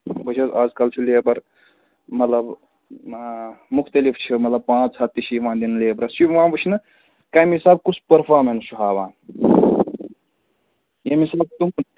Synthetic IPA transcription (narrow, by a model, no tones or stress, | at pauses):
bɐt͡ʃʰɐzaːd͡zkɐlt͡ʃʰileːbɐɾ | mɐt̪lɐb | muxt̪ɐlift͡ʃʰimɐt̪lɐb̚pãːt͡ʃʰɐt̪ːit͡ʃʰiʋãːd̪inleːbɾɐsibʋãːbɨt͡ʃʰinɐ | kamisaːb̚kut͡ʃʰpɐɾpʰaːɾmenst͡ʃʰuɦaːbãː | jɐmisaːb̚t̪um